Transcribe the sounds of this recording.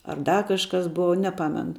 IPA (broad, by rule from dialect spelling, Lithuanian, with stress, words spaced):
ɐr ˈdɐ ˈkɑːʃkɐs ˈboːʋɐ nʲɛˈpɑːmʲɛnʊ